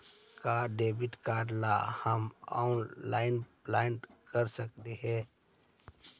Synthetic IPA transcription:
kaɖeːbɪʈkaːɖlahəma̰ːʊnlaːɪnplaːɪnkəɾsək̚t̪eɦɛ̃ː

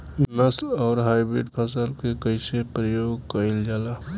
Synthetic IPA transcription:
nəslɔːɾɦaːɪbɾɪ̰ɖpʰas̬əlkekəɪsepɾəjoːɡkəɪld͡ʒaːlaː

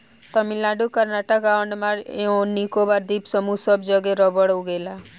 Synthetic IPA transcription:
t̪əmɪlaːɖukəɾnaʈəkɡaːəɳɖmaɾeõnikobaɾd̪iːpsəmusəbd͡ʒəɡeɾɔbəɽoɡeːla

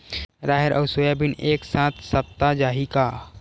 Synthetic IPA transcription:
ɾaːɦeɾʔɐʊsojabɪneːksãːt̪ʰsɐp̚t̪ad͡ʒaːɦikaː

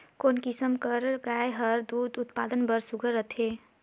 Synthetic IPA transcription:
konkisəmkəɾlɡajɦəɾd̪ud̪ut̪pa̰d̪ənbəɾsuɡʱəɾət̪ʰe

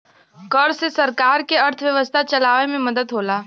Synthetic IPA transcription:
kəɾsesɐɾkaːɾkeɐɾt̪ʰəʋjəʋəst̪ʰat͡ʃɐlaːʋemẽməd̪əd̪ɦoːlaː

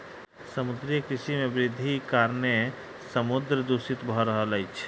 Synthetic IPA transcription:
səmud̪ɾikɾisimebɾid̪ʱːikaɾne | səmud̪ɾəd̪usit̪bʱɔɾəɦələjt͡ʃʰ

